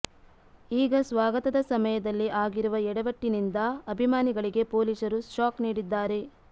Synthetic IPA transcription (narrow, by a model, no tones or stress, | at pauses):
iːɡɐsʋaːɡɐt̪ɐd̪ɐsɐmɐjɐd̪ɐlːiʔaːɡiɾuʋɐɛɽɐʋɐʈːinind̪ɐɐbʱimaːniɡɐɭiɡe̞po̞ːlisɐɾusʈaːkniːɽid̪ːaːɾe̞